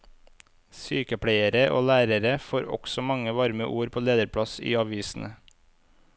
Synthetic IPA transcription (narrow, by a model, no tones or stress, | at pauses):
syːkəpʰɽæɪəɾəʔo̰ːlæːɾəɾəfoːɾɔ̰ɡ̥sɔmɑŋəʋɑɾmə̰ʔuːɾpʰoːleːd̪əɾpʰɽɑsḭːɑʋiːsn̩ʔə